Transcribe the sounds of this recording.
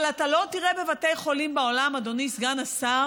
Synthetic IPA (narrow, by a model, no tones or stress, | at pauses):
latalo̞tiʁebe̞vate̞jχo̞limbeolamad̪o̞nisɡanasa